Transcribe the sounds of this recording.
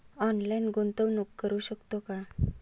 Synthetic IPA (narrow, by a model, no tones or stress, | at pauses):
ɔnlajnɡont̪əwnukːəɾuːɕəkt̪oka